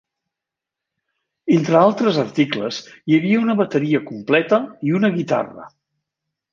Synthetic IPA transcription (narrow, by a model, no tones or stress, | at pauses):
ent̪ɾəalˠt̪ɾəzərt̪iklə̰zjəβiəunəβət̪əɾiəkumplɛt̪əiunəɣit̪a̰rə̰